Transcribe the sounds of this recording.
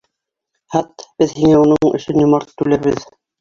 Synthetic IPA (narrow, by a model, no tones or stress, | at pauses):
hɑt̪b̥ɘðhiŋæunɤɴɵ̰̆ʃɘnjŭmɑɾt̪t̪ːʉlæɾβɘð